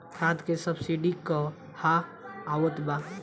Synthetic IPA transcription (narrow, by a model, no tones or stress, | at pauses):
kʰɾad̪kesəbsiɖikɔ | haːwət̪ba